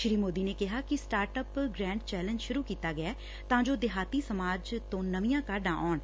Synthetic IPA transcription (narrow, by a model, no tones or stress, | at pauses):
ʃɾiːmoːd̪iːneːkɪɦaːkɪsʈaːɾʈəpɡɾɛ̃ːɳɖt͡ʃɛːlə̃ɲd͡ʒʃʊɾuːkiːt̪aːɡɪɛː | t̪ãːd͡ʒoːd̪ɪɦaːt̪iːsəmaːd͡ʒt̪õːnəʋijãːkaːɾɖãːʔɔːɳ